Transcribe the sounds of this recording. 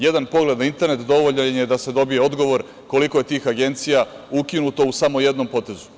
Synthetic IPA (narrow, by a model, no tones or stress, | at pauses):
je̞d̪anpo̞ɡle̞d̪naint̪e̞ɾne̞t̪d̪o̞ʋoʎenje̞d̪ase̞d̪o̞bijeo̞d̪ɡo̞ʋo̞ɾ | ko̞liko̞je̞t̪iːxaɡe̞nt̪sija | ukinut̪o̞usamo̞je̞d̪no̞mpo̞t̪e̞zu